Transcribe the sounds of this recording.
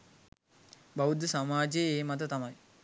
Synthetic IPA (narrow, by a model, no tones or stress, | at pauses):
baud̪samaːd͡ʒejeːmat̪ət̪ɐmaj